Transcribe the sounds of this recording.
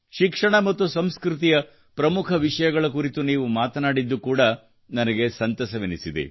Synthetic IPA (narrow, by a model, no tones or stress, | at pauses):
ʃikʂɐɳɐmɐt̪ːusɐmskɾut̪̬ijɐ | pɾɐmukʰɐʋiʂɐjɐɡɐɭɐkuɾit̪uniːʋumaːt̪ɐnaːɽid̪ːukuːɽɐ | nɐnɐɡe̞sɐnt̪ɐsɐʋenisid̪ḭ